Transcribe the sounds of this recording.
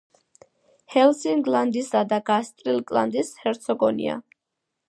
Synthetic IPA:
hɛlsiŋɡland̪isad̪aɡast̪ʼɾilkʼla̰nd̪ishɛɾt̪sʰɔɡɔnḭa̰

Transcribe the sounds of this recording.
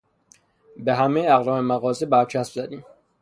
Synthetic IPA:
beɦæmejæɣlɒːmemæɣɒːzibæɾt͡ʃʰæsbzæd̪iːm

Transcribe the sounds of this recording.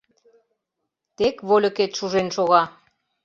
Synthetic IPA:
t̪ekβolʲə̆ket̪ʃuʒenʃoɣɑ

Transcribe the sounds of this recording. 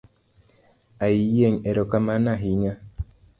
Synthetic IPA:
aijeɲeɾokamanãɦiɲã

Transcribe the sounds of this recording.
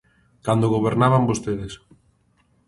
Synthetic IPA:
kand̪oɣoβeɾnaβambost̪eðes

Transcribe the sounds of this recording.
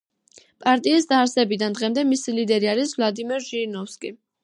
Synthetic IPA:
pʼaɾt̪ʼiːsd̪aːɾsɛbid̪and̪ʁɛmd̪ɛmisilid̪ɛɾiaɾisvlˠad̪imɛɾʒinɔfskʼi

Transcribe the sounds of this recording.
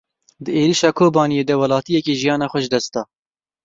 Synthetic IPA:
d̪əeːɾiʃɑːkʰoːbɑːnijeːd̪ɛwɐlɑːt̪ijɛkeːʒijɑːnɑːxʷɛʒd̪ɛst̪ɑː

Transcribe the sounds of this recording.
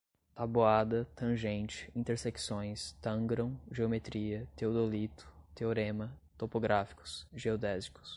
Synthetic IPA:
t̪aboad̪ɐt̪ɐ̃ʒẽnt͡ʃɪ̥ĩnt̪eɾseksõj̃st̪ɐ̃ɡɾõw̃ʒeomet̪ɾiɐt̪eod̪olit̪ʊ̥t̪eoɾẽmɐt̪opoɡɾafi̥kʊ̥sʒeod̪ɛzikʊ̥s

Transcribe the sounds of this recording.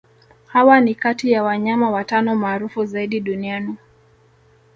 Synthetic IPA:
hawanikatijawaɲamawatanɔmaːɾufuzaiɗiɗuniani

